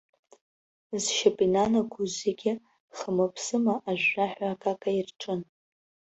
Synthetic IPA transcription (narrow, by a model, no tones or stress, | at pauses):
zʃapʼinanaɡʷuzeɡʲɪ | χəmapʰsɨmaʔaʒʷᶣraħʷᶣakʼakʼairʈ͡ʂʰʼɨn